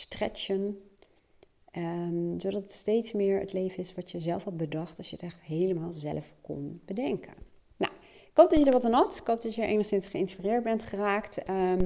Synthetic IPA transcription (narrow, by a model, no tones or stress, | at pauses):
strɛ̰t͡ʃən | zowdɑtətstejtsmɪːɹə̰tlejvənɪsʋɑtəzɛlˠfɑt̚bədɑχtɑʃjəətɛχtɦejləmaːlˠzɛ̰lfkɔ̰nb̥ədɛŋkʰə̰n | na̰wɪkɦowp̚dɑtjədəɹʋɑtanɑtɪkɦowp̚dɑjəəɹʔḛjnəχsɪnsχəɪnspirɪːɹd̚bɛntχəraːkt